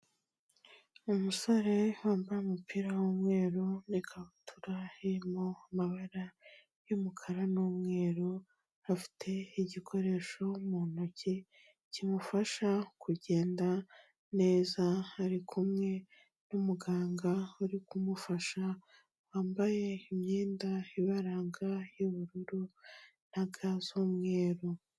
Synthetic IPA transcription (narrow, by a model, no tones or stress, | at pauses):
umusoɾe̞waːmbajemupʰiːɾawomŋe̞ːɾonikʰaβutʰuɾaiɾimoamaβaɾa | jomukʰaɾanuːmŋe̞ːɾo | afi̥tʰe̞iɟikʰo̞ɾe̞ːʃo̞munocʰi | cimufaʃakuɟe̞ːnda | ne̞ːzaaɾikʰumŋe̞ | numuɡaːŋɡauɾikumufaʃa | waːmbaje̞imɲiːndaiβaɾaːŋɡajoβuɾuɾu | n̥aɡazomŋe̞ːɾo